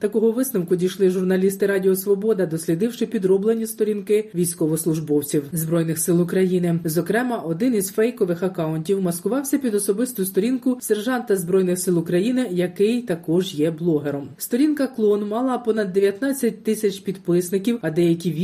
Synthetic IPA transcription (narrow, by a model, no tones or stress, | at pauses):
t̪ɐkɔɦɔʋɪsnɐwkʊdʲijʃlˠɪʒʊrnɐlʲist̪ɪɾɑdʲiɔsʋɔbɔd̪ɐd̪ɔsʲlʲid̪ɪwʃɪpʲid̪ɾɔblˠenʲist̪ɔɾʲinkɪʋʲijsʲkɔʋɔslˠʊʒbɔwt͡sʲiwzbɾɔjnɪxsɪlˠʊkɾɐjinɪzɔkɾɛmɐʔɔd̪ɪnizfɛjkɔʋɪxɐkɑʊnʲtʲiwmɐskʊʋɑwsʲɐpʲid̪ɔsɔbɪst̪ʊst̪ɔɾʲinkʊserʒɑnt̪ɐzbɾɔjnɪxsɪlˠʊkɾɐjinɪjɐkɪjt̪ɐkɔʒjɛblˠɔɦeɾɔmst̪ɔɾʲinkɐklˠɔnmɑlˠɐpɔnɐd̪ːeʋʲjɐt̪nɑt͡sʲːɐt̚ʲt̪ɪsʲɐt͡ʃpʲid̪pɪsnɪkʲiwɐd̪ɛjɐkʲiʋʲ